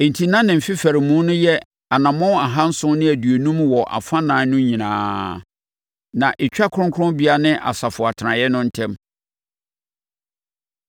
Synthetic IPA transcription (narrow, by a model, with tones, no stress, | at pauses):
e˨n˨tʰi˨nã˦nɪ̃˨m̩˨fi˦fæ˨ɾɪ˨mũ˦nʊ̃˦jɛ˦ | a˨nã˨mɔ̃˦a˨ɦã˦n̩˦sʊ̃˦nɪ̃˦æ˨dɥe˨nũ˦mwɔ˨ʔa̰˨fa˦nãː˨˦nʊ̃˦ɲĩ˨nãː˨˦ | nã˨ʔe˨t͡ɕᶣa˦kʰɾʊ̃˦ŋ˦kʰʊ˦ʊ̃˦nbi˨a˦nɪ̃˦ʔa̰˨sa˨fʊ˨a˨tʰɪ˨ɾã˨jɛ˦nʊ̃˦n̩˦tʰɛ̃˦m